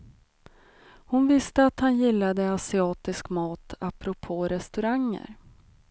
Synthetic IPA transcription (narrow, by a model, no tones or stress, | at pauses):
hʊnvɪst̪əat̪hanjɪlːad̪əasɪɑːt̪ɪskmɑːt̪ʰapɾʊpʰoːɾɛst̪ɵɾaŋːə̰ɾ